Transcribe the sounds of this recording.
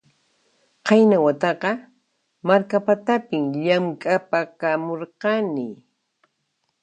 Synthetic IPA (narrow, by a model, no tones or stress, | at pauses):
qɑjnawat̪ɑqɑ | maɾkapat̪apɪŋʎamkʼapakamoɾɢɑnɪ